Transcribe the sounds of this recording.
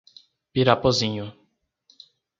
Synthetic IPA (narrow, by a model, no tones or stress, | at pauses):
piɾapozĩɲʊ